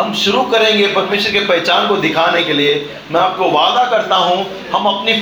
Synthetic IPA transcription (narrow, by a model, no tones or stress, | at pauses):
ɦɐmʃʊɾukɐɾẽːŋɡepɐɾmeːʃəɾkepɛɦt͡ʃaːnkod̪ɪkʰaːnekelie | mɛ̃aːp̚koʋaːd̪akɐɾt̪aɦũ | hɐmɐpni